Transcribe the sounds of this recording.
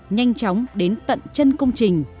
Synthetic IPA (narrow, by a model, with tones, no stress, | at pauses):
ɲa˧jŋ̟t͡ɕɔ˨˦wŋ͡mɗe˨˦nt̪ə̰˧˨nt͡ɕə˧nkə˧wŋ͡mt͡ɕï˨˩ŋ̟